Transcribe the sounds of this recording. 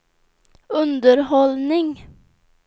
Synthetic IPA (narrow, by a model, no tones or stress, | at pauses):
ɵnd̪əɾɦɔlnɪŋ